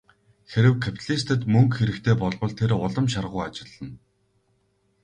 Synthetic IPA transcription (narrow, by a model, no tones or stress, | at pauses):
xeɾɘ̆wkʰapʰt̪ʰaɮʲist̪ʰə̆t̪mɵŋkxeɾɘ̆kt̪ʰeːpɔɮpə̆ɮt̪ʰeɾʊɮə̆mʃarʁʊjat͡ɕɪ̆ɮːə̆n